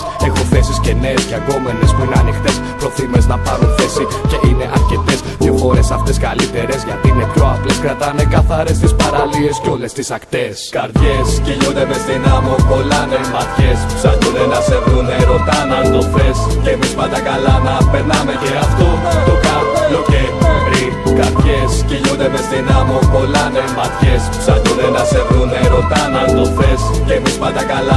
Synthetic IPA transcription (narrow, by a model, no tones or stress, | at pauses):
e̞xo̞θe̞sisce̞ne̞sceɐɡo̞me̞ne̞spuineɐnixt̪e̞spɾo̞θimeznɐpɐɾoθe̞sice̞ʔine̞ʔɐɾce̞t̪e̞scefo̞ɾe̞sɐft̪e̞skɐlit̪e̞ɾe̞zʝɐt̪iine̞pço̞ɐpleskɾɐt̪ɐne̞kɐθɐɾe̞st̪ispɐɾɐlie̞sceo̞le̞st̪isɐkt̪e̞skɐɾðʝesceʎot̪emest̪inɐmukolɐnemat̪çessɐʝuðenɐseðuneɾot̪anɐnofescemispɐt̪ɐkalanɐpeɾnɐmeeaft̪uokaoeevɾi | kaɾðʝesciʝod̪emesinamukolanemat̪çes | sɐʝuðenɐseðuneɾot̪ɐnɐsnofescemispɐt̪ɐkala